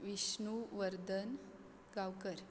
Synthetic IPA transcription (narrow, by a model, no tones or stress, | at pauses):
ʋiɕɳuʋəɾd̪ən | ɡawkəɾ